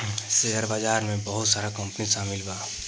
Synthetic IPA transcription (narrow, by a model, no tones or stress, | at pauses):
seɦəɾbad͡ʒaːɾmẽbəɦʊt̪saːɾakɐ̃mpnisaːmɪlbaː